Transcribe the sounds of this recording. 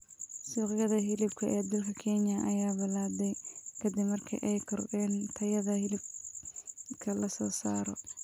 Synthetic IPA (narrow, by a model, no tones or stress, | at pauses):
suːqjɐðɐɦɪlɪbkʰɐʔɛːd̪ɐlkʰɐkʰɛnjɐʔɐjaːbɪlaːdɛjkʰɐd̪ɪbmɐrkʰḭʔɛjkʰɔrɡɛːnt̪ʰɐjɐðɐhɪlɪb̚ | kʰɐlɐsɔːsaːɾɔ